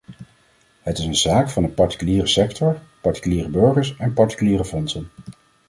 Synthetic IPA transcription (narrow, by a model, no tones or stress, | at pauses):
ɦətɪsənzaːkfɑndəpɑɹti̥kyliːrəsɛktɔɹpɑɹti̥kyliːrəbɵɹχəɹsɛnpɑɹti̥kyliːɾəfɔnsən